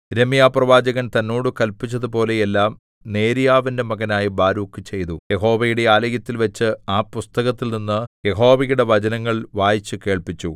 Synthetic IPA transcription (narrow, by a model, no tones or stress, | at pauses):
ɾe̞mijaːprɐʋaːd͡ʑɐɣɐnt̪ɐnːoːɽukɐlpit͡ɕːɐðupo̞ːle̞jelːaːm | ne̞ːɾijaːʋinde̞mɐɣɐnaːjibaːɾuːkːɨt͡ɕe̞jt̪uje̞ɦo̞ːʋɐjuɽe̞aːlɐɣjɐt̪ːilʋɐt͡ɕːɨaːpust̪ɐɣɐt̪ːilninːɨje̞ɦo̞ːʋɐjuɽe̞ʋɐd͡ʑɐnɐŋːɐɭʋaːjit͡ɕːɨke̞ːɭpit͡ɕːu